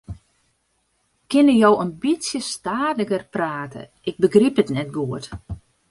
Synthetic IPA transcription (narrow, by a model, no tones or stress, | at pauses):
kɪnəjowənbisjəstaːdəɡərpraːtʰə̰ | ʔɪɡ̚bəɡriphətnɛt̚ɡuət